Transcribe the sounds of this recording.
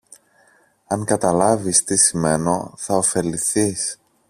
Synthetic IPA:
ɐŋkɐt̪ɐlɐvist̪isime̞no̞̰θɐofe̞liθis

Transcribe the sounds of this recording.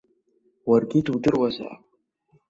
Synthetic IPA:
warɡʲɪdudɨrwazʷa̰ʕa̰

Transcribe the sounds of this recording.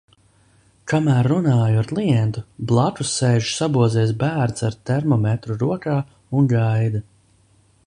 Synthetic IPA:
kamæːɾːunaːjuaɾklˠijɛnt̪ublˠakusːejʒusabuɔd̪zɛːs̬bæːɾt̪saɾt̪ɛɾmɔmɛt̪ɾuɾuɔkaː | unɡajd̪a

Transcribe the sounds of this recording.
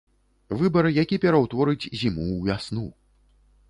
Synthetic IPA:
vɨbɐɾɨjakʲipʲɛɾɐwt̪vɔɾɨd͡zʲzʲimuvʲasnu

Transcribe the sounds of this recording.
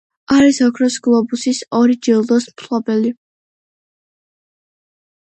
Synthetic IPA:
aɾisɔkʰɾɔsɡlˠɔbusisɔɾid͡ʒilˠd̪ɔsmtʰlɔbɛli

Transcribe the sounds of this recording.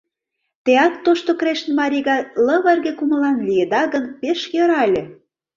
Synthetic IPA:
t̪eɑk̚t̪oʃt̪okɾeʃnmɑɾʲiɣɑlɤ̆βɑrɣĕkumə̆lɑnlʲied̪ɑɣə̆npeʃjɤ̆ɾɑlʲĕ

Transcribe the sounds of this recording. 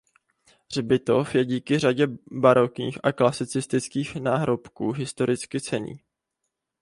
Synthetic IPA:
r̝bɪt̪o̞fjɛɟiːkɪr̝aɟɛbaɾokɲḭːxʔaklasɪt͡sɪst̪ɪt͡skiːxnaːɦɾo̞pkuːɦɪst̪o̞ɾɪt͡skɪt͡sɛɲḭː

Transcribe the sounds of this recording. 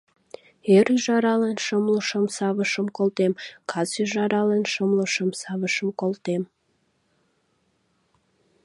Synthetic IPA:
eɾyʒɑɾɑlenʃəmləʃəmsɑβəʃəmkolt̪emkʰɑsyʒɑɾɑlenʃəmləʃəmsɑβəʃəmkolt̪em

